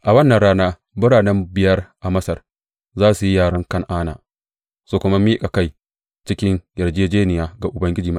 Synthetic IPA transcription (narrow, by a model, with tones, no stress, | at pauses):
ʔa˨wɐ˦nːɐ˨nɽaː˦naː˦ | bʊ˦ɽaː˨nɛ˦mbɪ˨jɐ˦rʔa˨mɐ˦sɐ˨r | zaː˦su˨ji˦jaː˦˨ɽɐ˦ŋkɐ˦ŋʔaː˦na̰ː˨ | soː˦kʷʊ˦ma˦miː˦kʼa˨ka˦j | t͡ʃɪ˦kʲɪ˦ŋjɐ˨rd͡ʒeː˦d͡ʒeː˦nɪ˨jaː˦ɡa˨ʔʊ˨bɐ˦ŋɡʲɪ˦d͡ʒiː˨mɐ˦